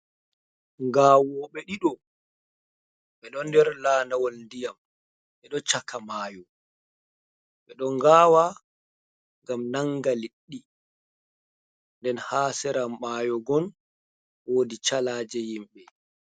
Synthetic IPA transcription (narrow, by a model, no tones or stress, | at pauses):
ŋɡaːwɔɓɛɗiɗɔ | ɓɛɗɔndɛɾlaːnawɔlndijam | ɓɛɗɔt͡ʃakamaːjɔ | ɓɛɗɔŋɡaːwa | ŋɡamnaŋɡaliɗːi | ndɛnhaːsɛɾamːaːjɔɡɔn | woːdit͡ʃalaːd͡ʒɛjimɓɛ